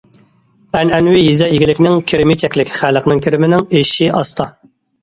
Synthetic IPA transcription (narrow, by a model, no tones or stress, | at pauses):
ɛnɛnwɪjizɛjiɡʲilɪkʲnɪŋkʲʰiɾɪmɪt͡ʃʰɛkʲlɪkʲχælˠəqnɨŋkʲʰiɾɪmɪnɪŋeʃiʔɑst̪ʰɑ